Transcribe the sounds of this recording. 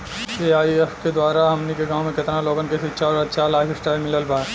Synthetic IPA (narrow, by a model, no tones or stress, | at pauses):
eːaːiɛfked̪waːɾaɦɐmnikeɡãːw̃mẽkɪt̪naloːɡənkesitːʃʰaɔɾɐtːʃʰalaːɪfʰsʈaːɪlmɪləlbaː